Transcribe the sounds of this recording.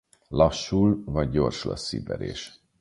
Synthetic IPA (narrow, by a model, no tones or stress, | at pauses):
lɒʃːulvɒɟːo̞rʃlɒ̰sːḭbɛɾeːʃ